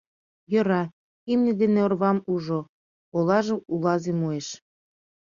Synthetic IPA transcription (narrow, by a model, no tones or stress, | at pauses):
jɤ̆ɾɑ | imnʲĕd̪eneorβɑmuʒo | olɑʒɤ̆ulɑzemueʃ